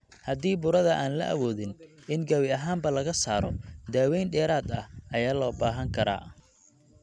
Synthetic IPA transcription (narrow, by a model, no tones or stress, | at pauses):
hɐd̪iːbʊɾɐðɐʔaːnlɐ̰ʔɐ̰wɔːðɪnʔɪŋɡɐwɪɐɦaːmbɐlɐɣɐsaːɾɔd̪aːwɛjnɖɛːɾaːd̪ɐhɐjaːlɔːbaːɦɐŋkʰɐɾa̰ː